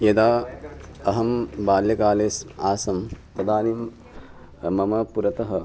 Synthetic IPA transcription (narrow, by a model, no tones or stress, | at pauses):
jɐd̪aː | ɐɦɐmbaːljɐkaːleːsaːsɐmt̪ɐd̪aːnim | mɐmɐpuɾɐt̪ɐɦɐ